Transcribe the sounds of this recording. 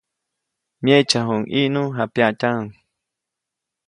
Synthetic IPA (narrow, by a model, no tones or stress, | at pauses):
mjet͡ʃaɦuŋʔiʔnuɦapjaʔcaŋ